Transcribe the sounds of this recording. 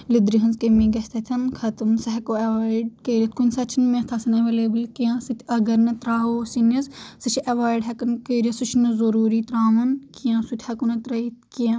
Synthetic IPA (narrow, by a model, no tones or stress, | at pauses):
lid̪ɾiɦɐnzkemĩːɡɐst̪ʰɐt̪ʰʲɐnkʰɐt̪ɨmsɐɦkoːɐʋaːiɖkeːɾiɐt̪̚kunʲsɐt͡ʃʰinmẽt̪ʰɐsɐnɐʋeleːbɐlkijãːsɨt̪ʲʰɐɡɐɾnɐt̪ɾaːɦoːsinɐssɨt͡ʃʰiʔɐʋaːjɖɦɐkɐnkeːɾʲijɐsut͡ʃʰnɐzɐɾuːɾiːt̪ɾaːʋɐnkijãːsut̪ʰʲhɐkunɐt̪ɾɐit̪kiã